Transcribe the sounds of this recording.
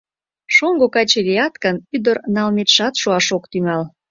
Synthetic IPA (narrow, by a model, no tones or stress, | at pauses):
ʃoŋɡokɑt͡ɕeliɑt̪kənyd̪ərnɑlmet̪ʃɑt̪ʃuɑʃokt̪yŋɑl